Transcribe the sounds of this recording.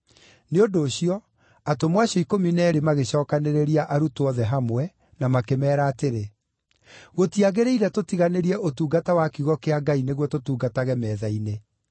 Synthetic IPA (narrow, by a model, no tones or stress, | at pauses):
neodoːɕiɔ | atomwaɕɔikominɛɾemaɣeɕɔːkaneɾeɾiaʔaɾutwɔðɛɦamwɛ | namakemɛːɾaːteɾe | ɣotiaɣeɾeiɾɛtotiɣaneɾiɛʔotuːɡatawakiɣɔkeaɡaineɣwɔtotuːɡataɣɛmɛːðaine